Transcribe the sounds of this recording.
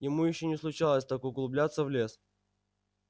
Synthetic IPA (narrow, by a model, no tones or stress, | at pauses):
jɪmujɪɕːonʲɪslˠʊt͡ɕalˠəsʲt̪akʊɡlˠʊblʲat̪səvlʲes